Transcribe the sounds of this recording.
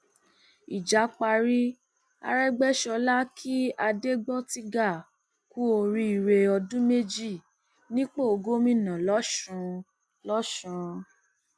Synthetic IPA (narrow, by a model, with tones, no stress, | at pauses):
i˨d͡ʒa˨˦k͡pa˧ɾi˦ | a̰˧ɾɛ˦ɡ͡bɛ˦ʃɔ˧la˦kʰi˦a˧de˦ɡ͡bɔ˦ti˧˦ɡa˦˨ | ku˦o˧ɾi˧˦i˨ɾe˧ɔ˧dũ˦me˦d͡ʒi˦˨ | nĩ˦k͡po˦o˧ɡo˦mĩ˦˨nã˨lɔ˨˦ʃũ˧ | lɔ˦ʃũ˨˧